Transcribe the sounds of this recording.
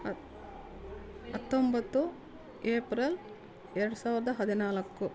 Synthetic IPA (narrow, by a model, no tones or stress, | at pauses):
ɐt̪ːombɐt̪ːu | eːpɾel | ɛɾɐɽusaːʋɾɐd̪ɐɦɐd̪inaːlɐkːu